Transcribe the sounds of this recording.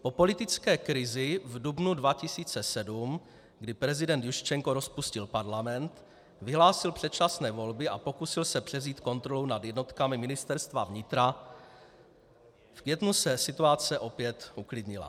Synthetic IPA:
po̞po̞lɪt̪ɪt͡skɛːkɾɪzɪvdubnudvacɪsiːt͡sɛsɛdum | ɡdɪpɾɛzɪdɛnt̪juʃt͡ʃɛŋkoɾo̞spuscɪlpaɾlamɛnt̪ | vɪɦlaːsɪlpr̥ɛt̪̚t͡ʃasnɛːvo̞lbɪʔapo̞kusɪlsɛpr̥ɛvziːt̪ko̞nt̪ɾo̞lownadjɛdno̞t̪kamɪmɪnɪst̪ɛɾst̪vavɲɪt̪ɾa | fkvjɛt̪nusɛsɪt̪uat͡sɛʔo̞pjɛt̪uklɪdɲɪla̰

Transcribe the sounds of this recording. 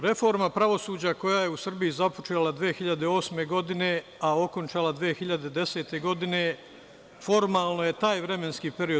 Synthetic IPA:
ɾe̞fo̞ɾmapɾaʋo̞suːd͡ʑako̞jaːje̞usr̩bijizapo̞t͡ʃeːlad̪ʋeːxiʎad̪eo̞ːsme̞ɡo̞d̪ine̞ao̞ko̞nt͡ʃaːlˠad̪ʋiːexiʎad̪ed̪e̞se̞ːt̪e̞ɡo̞d̪ine̞ | fo̞ɾmaːlˠno̞je̞t̪aːjʋɾe̞me̞nskiːpe̞ɾio

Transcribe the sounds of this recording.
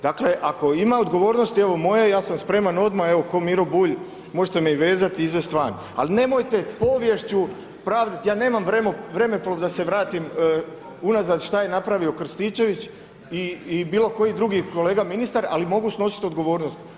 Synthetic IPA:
d̪akle̞ʔako̞imaod̪ɡo̞ʋo̞ːɾnost̪ie̞ʋo̞mo̞jejaːsamspɾe̞ːmano̞d̪mae̞ʋoko̞miɾobuːʎ | mo̞ʒet̪emeiʋe̞ːzat̪iizʋest̪ʋan | a̰line̞mo̞jt̪e̞po̞ʋje̞ʃt͡ɕu | pɾaːʋd̪at̪jaːne̞ːmamʋɾemʋɾe̞meploʋd̪ase̞ʋɾaːt̪im | unazad̪ʃt̪aje̞napɾaʋio̞kr̩st̪it͡ʃe̞ʋit͡ɕ | iːbiːlˠo̞ko̞jid̪ɾuɡiko̞le̞ːɡaminist̪aɾa̰limo̞ɡusno̞si̥t̪o̞d̪ɡo̞ʋo̞ːɾnost̪

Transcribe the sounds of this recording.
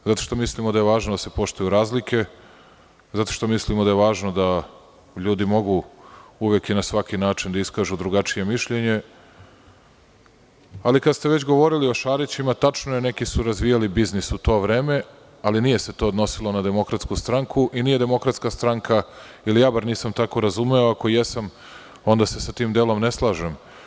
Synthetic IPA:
zat̪o̞̥ʃt̪omislimod̪ajeʋaːʒnod̪ase̞po̞ʃt̪ujuɾaːzlikʰe̞ | zat̪oʃt̪o̞mislimod̪ajeʋaːʒno̞d̪a | ʎuːd̪imo̞ɡuuʋekinasʋakinaːt͡ʂind̪aiskaːʒud̪ɾuɡat͡ʂije̞miʃʎe̞ɲe̞ | alikast̪eʋet͡ɕɡo̞ʋo̞ɾilio̞ʃaːɾit͡ɕimat̪at͡ʂnojene̞kisuɾazʋijalibiznisut̪o̞ːʋɾe̞ːme̞ | alinije̞se̞t̪o̞ːd̪no̞silˠo̞nad̪e̞mo̞kɾat̪skust̪ɾaŋkʰuʔiniːje̞d̪e̞mo̞kɾat̪skast̪ɾaŋkʰa | ilijaːbaɾniːsamt̪ako̞ɾazumeoakojesam | o̞nd̪ase̞sat̪iːmd̪elo̞mne̞slˠaːʒem

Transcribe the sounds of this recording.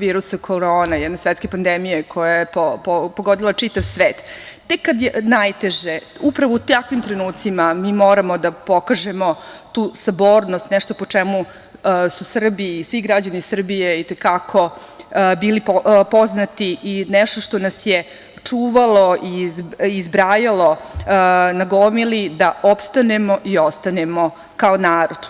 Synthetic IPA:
ʋiːɾusakʰoɾoːnajɛd̪nesʋet̪skepand̪emijekʰo̞jajepopopoɡod̪ilˠat͡ʂit̪aʋsʋeːt̪t̪ːekːad̪jenajt̪eʒeupɾaʋout̪akʋimt̪ɾenuːt̪simamiːmo̞ːɾamo̞d̪apo̞kaʒemo̞t̪uːsaboːɾnost̪nɛʃt̪o̞pot͡ʂemu | susr̩biːsʋiɡɾad͡ʑanisr̩bijeit̪ekakʰo̞ | biːlippoznat̪iʔinɛʃt̪o̞ʃt̪onasje | t͡ʂuːʋalˠoʔiizbɾaːjalo̞ | naɡomilid̪aʔopst̪ane̞mo̞ʔio̞st̪anemo̞ | kaonaːɾo̞d̪̥

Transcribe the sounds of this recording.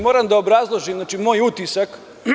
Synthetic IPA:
moɾamd̪aobɾazlˠoʒimnaːt͡ʃimoːjut̪isak

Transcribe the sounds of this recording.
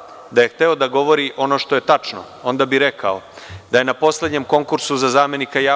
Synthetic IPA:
d̪aje̞xt̪eod̪aɡo̞ʋo̞ɾiʔo̞no̞ʃt̪oje̞t̪at͡ʂno̰ | o̞nd̪abiɾe̞kʰao̰d̪aje̞napo̞sle̞d̪ɲe̞mko̞ŋkuɾsuzazaːme̞nikajaː

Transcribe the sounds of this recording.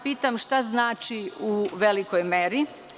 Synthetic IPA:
piːt̪amʃt̪aznaːt͡ʃiuʋelikojmeɾi

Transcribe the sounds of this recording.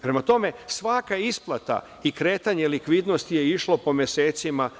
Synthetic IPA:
pɾe̞mat̪o̞me̞sʋakaisplˠat̪a̰ | ikɾe̞ːt̪aɲe̞likʋiːd̪no̞st̪ije̞iʃlˠo̞po̞mje̞se̞ːt̪sima

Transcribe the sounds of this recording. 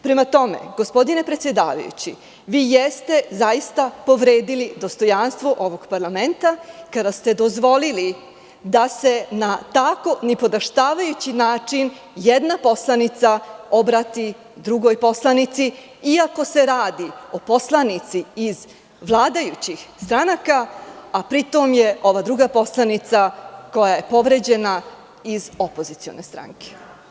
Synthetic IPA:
pɾemat̪o̞mḛɡo̞spo̞d̪ine̞pɾet̪sje̞d̪a̰ːʋa̰jṵt͡ɕḭ | ʋiːjest̪e̞zajist̪apo̞ʋɾeːd̪ilid̪o̞st̪o̞janst̪ʋo̞ʔo̞ʋo̞ɡpaɾlame̞nt̪akad̪ast̪e̞d̪o̞zʋo̞lili | d̪ase̞nat̪ako̞nepo̞d̪aʃt̪aːʋajut͡ɕinaːt͡ʂin | jed̪napo̞slˠanit̪sao̞bɾat̪i | d̪ɾuɡo̞jpo̞slˠanit̪si | iako̞se̞ɾaːd̪io̞po̞slˠanit̪siːz | ʋlˠaːd̪ajut͡ɕixst̪ɾanakaapɾit̪o̞mje̞o̞ʋad̪ɾuɡapo̞slˠanit̪sako̞jaje̞po̞ʋɾe̞d͡ʑe̞na | izo̞po̞zit̪sio̞̰nest̪ɾa̰ŋke̥

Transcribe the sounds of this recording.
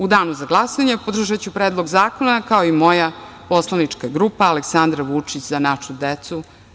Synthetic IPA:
ud̪aːnuzaɡlˠasoaɲepod̪r̩ʒat͡ɕupɾeːd̪lˠoɡzaːkonakaoimo̞ja | po̞slˠanit͡ʂkaɡɾupaːleksand̪ɾaʋut͡ʂit͡ɕzanaʃud̪et̪su

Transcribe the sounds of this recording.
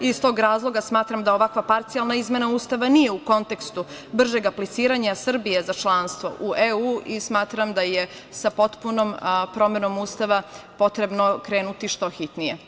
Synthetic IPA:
ist̪o̞ːɡɾaːzlˠo̞ɡasmaːt̪ɾamd̪ao̞ʋakʋapaɾt̪sialˠnaizme̞nauːst̪aʋanije̞uko̞nt̪e̞kst̪ubr̩ʒeɡaplit̪siːɾaɲasr̩bijezat͡ʃlˠaːnst̪ʋo̞̰ʔuʔeuːismaːt̪ɾamd̪aje | sapo̞t̪punompɾo̞me̞no̞muːst̪aʋapo̞t̪ɾe̞bno̞kɾe̞ːnut̪iʃt̪o̞xit̪nije̞

